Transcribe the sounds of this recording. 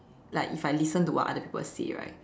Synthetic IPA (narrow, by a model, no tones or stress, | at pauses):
laɪkifajlisə̃ntuwɔ̰tʔa̰dəpi̥pə̰la̰sḛɹa̰ɪt̚